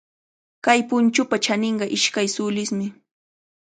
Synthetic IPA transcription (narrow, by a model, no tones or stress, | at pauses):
kajpʊnt͡ʃʊpat͡ʃanɪɴɢɑʔɪʃkajsʊlɪsmɪ